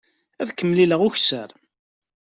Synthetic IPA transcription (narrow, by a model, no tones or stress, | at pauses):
æðkːəmːliləʁʊçsəɾ